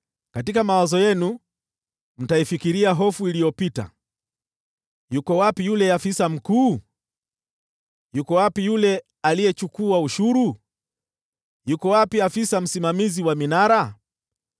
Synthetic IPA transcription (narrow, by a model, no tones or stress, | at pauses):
katikamawazɔjɛnu | m̩taifikiɾiaɦɔfuilijɔpita̰ | jukɔwapijulɛafisam̩kuː | jukɔwapijulɛ | alijɛt͡ʃukuauʃuɾu | jukɔwapiafisam̩simamiziwaminaɾa